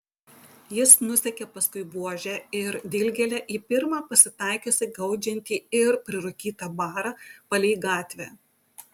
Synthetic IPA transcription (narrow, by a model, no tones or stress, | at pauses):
jɪsnʊsʲɛkʲɛpɐskʊɪbuɔʒʲɛɪɾd̪ʲɪlʲɡʲɛlʲɛʔiːpʲɪɾmɑːpɐsʲɪt̪ɑˑɪkʲosʲɪɡɐʊd͡ʒʲɛnʲt̪ʲiːɪɾpʲɾʲɪɾʊkʲiːt̪ɐbɑːɾɑpɐlʲɛːɡɑːt̪ʲʋʲɛː